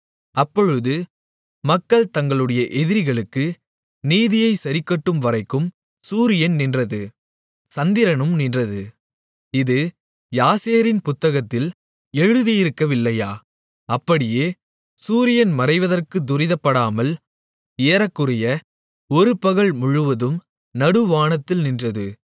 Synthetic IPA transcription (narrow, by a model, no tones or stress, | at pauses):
ɐpːɔɻɯðɯ | mɐkːɐɭt̪ɐŋɡɐɭɯɽɐjɐʔɛðɪɾɪɣɐɭɯkːɯ | niːðɪjɐɪsɐɾɪkːɐʈːɯmʋɐɾɐɪkːɯm | suːɾɪjɐnnɪndrɐðɯ | sɐnd̪ɪɾɐnɯmnɪndrɐðɯ | ɪðɯ | jaːseːɾɪnpʊt̪ːɐɣɐt̪ːɪl | ɛɻɯðɪjɪɾɯkːɐʋɪlːɐjaː | ɐpːɐɽɪjeː | suːɾɪjɐnmɐrɐɪʋɐðɐrkɯd̪ʊɾɪðɐpːɐɽaːmɐl | eːɾɐkːɯrɪjɐ | ɔɾɯpːɐɣɐɭmʊɻɯʋɐðɯm | nɐɽɯʋaːɳɐt̪ːɪlnɪndrɐðɯ